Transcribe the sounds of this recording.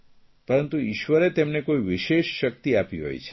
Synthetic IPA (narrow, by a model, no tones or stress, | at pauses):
pəɾənt̪uiʃʋəɾet̪emnekoiʋɪʃeʃːək̚t̪iapiɦɔ̰jt͡ʃʰe̥